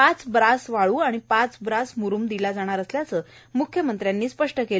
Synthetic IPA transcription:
at͡sbɾasʋaɭuːaɽ̃ipat͡sbɾasmuɾuːmd̪ilad͡zaɽ̃aɾəsljat͡səː | mukʰjəmənt̪ɾjanːiːspəʂʈəke

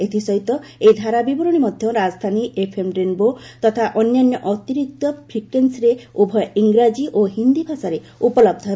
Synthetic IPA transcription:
et̪ʰisɔɦit̪ɔejd̪ʱaɾabibɔɾɔɽ̃imɔd̪ʱjɔɾad͡ʒɔd̪ʱaniʔepʰemʈɾenbot̪ɔt̪ʰaʔɔnjanjɔʔɔt̪iɾik̚t̪ɔpʰɾikensɾeubʱɔjɔiŋɡɾad͡ʒiʔoɦind̪ibʱasaɾe | upɔlɔb̚d̪ʱɔɦe

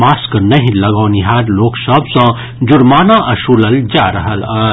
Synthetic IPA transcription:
maskənəɦĩləɡaːniɦaːɾloːksəbsə̃ | d͡ʒʊɾmaːnaʔɐʃuləld͡ʒaɾəɦələ

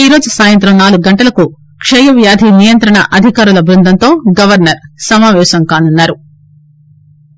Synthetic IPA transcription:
iːɾo̞ːd͡ʒusaːjɐnt̪ɾɐmnaːluɡuɡɐɳʈɐlɐku | kʂɐjɐʋjaːd̪ʱinijɐnt̪ɾɐɳɐ̰ʔɐd̪ʱikaːɾulɐbɾund̪ʱɐnt̪o̞ːɡɐʋɐɾnɐɾsɐmaːʋɛːʃɐŋkaːnunːaːɾu

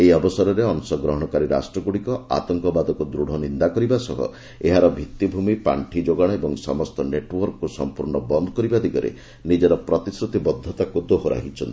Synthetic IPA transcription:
eiɔbɔsɔɾɔɾeɔnsɔɡɾɔɦɔɽ̃ɔkaɾiɾa̰sʈɾɔɡuɽikɔa̰t̪ɔŋkɔbad̪ɔkud̪ɾuɽ̤ɔnind̪akɔɾibasɔɦɔ̰ | eɦaɾɔbʱit̪ːibʱumipa̰ɳʈʰid͡ʒoɡaɽ̃ɔebɔŋsɔmɔst̪ɔneʈwɔɾkkusɔ̰mpuɾɳɔbɔnd̪ʱɔkɔɾibad̪iɡɔɾḛ | nid͡ʒɔɾɔpɾɔt̪isɾut̪ibɔd̪ʱːɔt̪akud̪oɦɔɾa̰ɦit͡ʃʰɔnt̪i

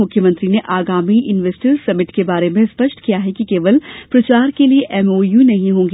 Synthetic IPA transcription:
ʊkʰjəmə̃nt̪ɾineʔaːɡaːmiʔɪnʋesʈəɾsɐmɪʈkebaːɾemẽspɐʃʈkijaɦɛkikeːʋəlpɾɐt͡ʃaːɾkelieʔɛmoːjunɐɦĩɦõːŋɡeː

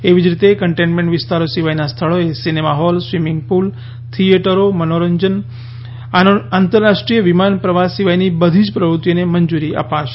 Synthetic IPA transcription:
eʋid͡ʒɾit̪ekəɳʈẽnʈmẽɳʈʋɪst̪aɾosiʋajnast̪ʰəɭoesinemaɦɔlsʋimɪŋɡ̚pul | t̪ʰieʈəɾomənoɾəɲd͡ʒən | ant̪əɾːaʃʈɾijəʋimanpɾəʋasiʋajnibəd̪ʱid͡ʒpɾəʋɾut̪jineməɲd͡ʒuɾiʔa̰paʃ

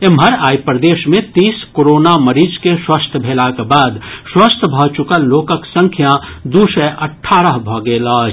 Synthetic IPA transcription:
emɦəɾaːjpɾəd̪eːʃmẽt̪iːskoɾoːnaməɾiːd͡ʒkeswəst̪ʰbʱeːlakebaːd̪swəst̪ʰbʱɔt͡ʃʊkəloːkəksə̃ŋkʰjãd̪uːsɛʔɐʈʰːaːɾəɦbʱɔːɡeːlaːd͡ʒ

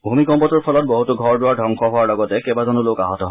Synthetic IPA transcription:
bʱumikɔmpɔtʊɹpʰɔlɔt̚boɦutʊɡʱɔɹdʊwaɹdʱɔŋkʰɔɦʊwaɹlɔɡɔtɛkɛbazɔnʊloka̰ɦɔtɔɦ

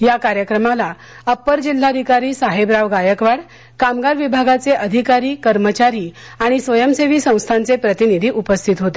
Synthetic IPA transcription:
jakaɾjəkɾəmala | əpːəɾd͡ʑil̤ːad̪ʱikaɾiːsaɦebɾaʋɡajəkʋaɽ | kamɡaɾʋibʱaɡat͡seʔəd̪ʱikaɾiːkəɾmət͡ɕaɾiː | aɽ̃isʋəjəmseʋiːsə̃w̃st̪ʰant͡sepɾət̪inid̪ʱiːʔupəst̪ʰit̪ɦot̪e

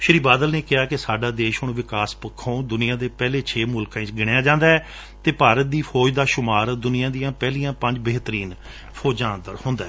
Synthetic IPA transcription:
ʃəɾiːbaːd̪əlneːkɪaːkɪsaːɖaːd̪eːʃɦʊɳʋɪkaːspəkʰːõːd̪ʊnɪːãːd̪eːpɛːleːt͡ʃʰeːmʊlkãːẽːɡɪɽejaːd͡ʒãːnd̪aːɛː | t̪eːpaːɾət̪̚d̪iːpʰɔːd͡ʒd̪aːʃʊmaːɾd̪ʊnɪjãːd̪ijãːpɛːlijãːpə̃ɲd͡ʒbəːɦt̪əɾiːn | pʰoːd͡ʒãːnd̪əɾhʊnd̪aːɛː

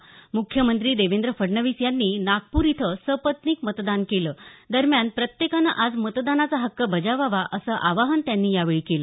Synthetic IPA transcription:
mukʰjəmənt̪ɾiːd̪eʋend̪ɾəfəɽɳəʋisjanːiːnaɡ̚puːɾit̪ʰəsəpət̪niːkmət̪d̪ankeləːd̪əɾmjanpɾət̪jekanəʔad͡zmət̪d̪anat͡saɦəkːəbəd͡ʑaʋaʋaʔəsəʔaʋaɦənt̪janːiːjaʋeɭiːkeləː

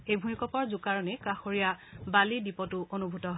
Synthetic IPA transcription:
ejbʱumikɔpɔɹzʊkaɹɔnekaxoɹijabalidipɔtʊʔonubʱutɔɦɔ

